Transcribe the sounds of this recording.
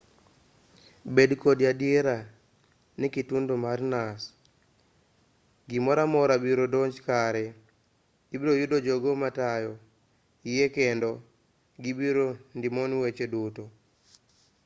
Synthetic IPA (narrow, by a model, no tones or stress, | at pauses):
bedkodjadijeɾa | nikitundomarnas | ɡimɔɾamɔɾabiɾodoɲd͡ʒkaɾɛ | ibiɾojudod͡ʒoɡomatajɔ | ijekendɔ | ɡibiɾondimonwet͡ʃedoto